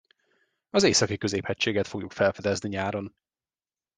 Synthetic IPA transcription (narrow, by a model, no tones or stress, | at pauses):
ɒzeːsɒkikø̞zeːphɛt͡ʃt͡ʃːeːɡɛt̪fo̞ɡjṵkfɛlfɛd̪ɛzniɲaːɾo̞n